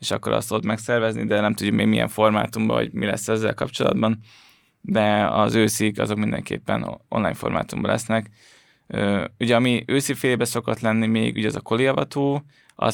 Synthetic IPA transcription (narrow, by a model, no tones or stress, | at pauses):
eːʃɒkːo̞ɾʔɒ̰st̪ːod̪ot̪mɛksɛrvɛznḭd̪ɛnɛmt̪ud̪ɟːukmeːɡmijɛ̰ɱfo̞rmaːt̪umbɒ̰ɦo̰ɟmilɛsːɛzːɛlkɒpt͡ʃo̞lɒ̰d̪bɒn | d̪ɛɒzøːsikɒ̰zo̞kmind̪ɛ̰ŋkḛːpːɛnonlaːɲfo̞̰rmaːt̪umbɒlɛsnɛk | øːuɟɛɒmiøːsifeːjeːbɛso̞ko̞t̪lɛnːimeːɡuɟɛzɒko̞liɒvɒt̪oː | ɒ̰